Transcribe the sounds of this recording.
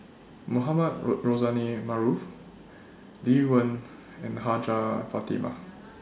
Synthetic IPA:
muɦamad̚ɹozanimaɹuf | liwə̃n | ɛ̃nɦad͡ʒafat̪ḭma̰

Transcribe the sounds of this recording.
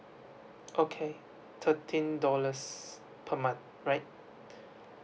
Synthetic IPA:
ʔokʰe | tʰətʰĩndɔləs | pʰəmãn | ɹaɪt̚

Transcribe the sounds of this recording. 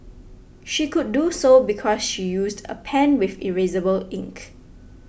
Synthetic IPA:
ʃikudːusobikʰɔsʃijusdə̰pʰɛ̃nwɪfḭɹezəbəlɪ̃ŋk

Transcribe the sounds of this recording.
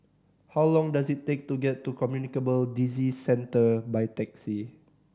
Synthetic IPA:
hawlɔ̃ŋdasitːek̚tuɡɛtːukɔmjunikəbəldizisɛ̃ntəbajtɛk̚si

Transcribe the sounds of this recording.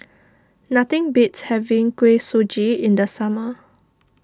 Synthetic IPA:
nat̪ɪ̃ŋbitshɛvĩŋkwesod͡ʒiɪ̃ndəsamə

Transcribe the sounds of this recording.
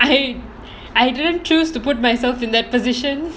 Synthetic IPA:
aj | ajdɪdə̃nt͡ʃustupʊt̚majsɛlfɪ̃nd̪ɛt̚pɔzɪʃə̃n

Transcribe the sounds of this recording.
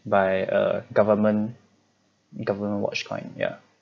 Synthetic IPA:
baɪə̰ɡavəmə̃n | ɡavəmə̃nwɔ̰t͡ʃkʰɔ̰̃ɪ̃nja̰

